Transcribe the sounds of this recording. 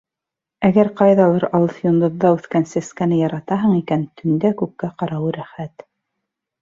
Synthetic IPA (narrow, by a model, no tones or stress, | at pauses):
æɡæɾqɑjðɑlˠɤɾɑlˠɤθjond̪ŏðːɑʉθkænsæskænɘjɑɾɑt̪ɑɦɤɴikænt̪ʰɵ̆nd̪ækʉp̚kːæqɑɾɑwɤɾæχæt̪